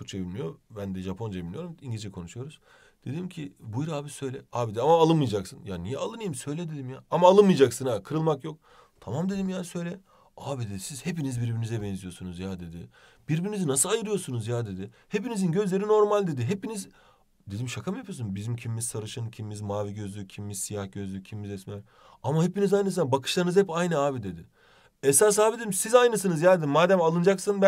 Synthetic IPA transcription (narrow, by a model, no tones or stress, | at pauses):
kʰut͡ʃʰebilʲmijobænd̪ɛʒapʰo̞nd͡ʒabilːijo̞ɾumiɲɟilʲid͡ʒɛkʰo̞nuʃujo̞ɾuz̥ | d̪̥e̞d̪imcʰibujɾaːbisø̞jlʲɛaːbid̪iamaːlˠɯnmɯjd͡ʒaksɯnjanijɛalˠɯnɯjimsø̞jlʲɛd̪e̞d̪imjaːamaːlˠɯnmɯjd͡ʒaksɯnakʰɯɾɯlˠmakjo̞k̚ | t̪ʰamamd̪e̞d̪imjaːsøjlʲɛ | aːbid̪ɛsiz̥he̞pinizbiɾbiɾinizɛbɛnzijo̞ɾsunuzjaːd̪e̞d̪ɪb̥iɾbiɾnizinasɯlˠajɯɾɯjo̞ɾsunuzjaːd̪e̞d̪ɪ | hepinizinɟø̞zlʲe̞ɾino̞ɾmalʲd̪e̞d̪iɦepiniz | d̪e̞d̪imʃakʰamɯjapʰɯjosunbizimcʰimmiz̥sʰaɾɯʃɯncʰimmizmaːviɟø̞zlʲycʰimimizsijahɟøzlʲycʰimmizɛsmæɾ | amaɦhepinizajnɯs̬ɯnabakʰɯ̥ʃlˠaɾnɯzhɛpajnɯaːbid̪e̞d̪ɪ | ɛsas̬aːbid̪ed̪ʲimsizajnɯs̬ɯnɯzjaːd̪ed̪imaːd̪æmalˠɯnd͡ʒaksɯnb